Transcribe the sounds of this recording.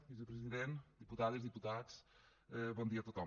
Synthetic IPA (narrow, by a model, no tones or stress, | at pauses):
vizupɾɨziðẽnt̪d̪iput̪aðizðiput̪aðuʃ | ɛβõnd̪iɐt̪ut̪a